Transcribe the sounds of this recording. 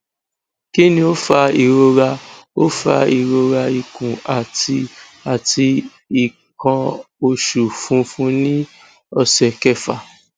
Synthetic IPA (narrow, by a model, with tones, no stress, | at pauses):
ki˦nĩ˧o˦fa˧i˨ɾo˧ɾa˧o˦fa̰˧i˨ɾo˧ɾa˧i˨kũ˨a˨ti˧ | a˨ti˧ | i˨ | kã˧o˧ʃu˨fũ˧˦fũ˧˦nĩ˦ | ɔ˧sɛ˨kɛ˦fa˨